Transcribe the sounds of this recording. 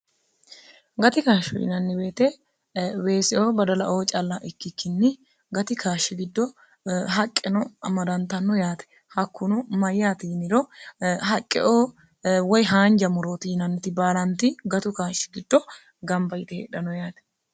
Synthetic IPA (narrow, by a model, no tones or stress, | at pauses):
ɡɐt̪ɪkaːʃːɔ̰ɪ̰nɐnːɪbe̞ːt̪ɛ | we̞ːsɛʔoːbɐd̪ɐlɐʔoːt͡ʃʼɐlːaʔɪkːɪkːɪnːɪ | ɡɐt̪ɪkaːʃːɪɡɪd̪ːɔ | ɦɐkʼːɛnɔɐmɐd̪ɐnt̪ɐnːɔjaːt̪ɛ̥ | hɐkːʊnʊmɐjːaːt̪iːnɪɾɔhɐkʼːɛ̰ʔoː | wɔjɦaːɲd͡ʒɐmʊɾoːt̪iːnɐnːɪt̪ɪbaːlɐnt̪ɪɡɐt̪ʊkaːʃːɪ̥ɡɪd̪ːɔ | ɡɐmbɐjɪt̪ɛhḛːɗɐnɔjaːt̪ɛ̥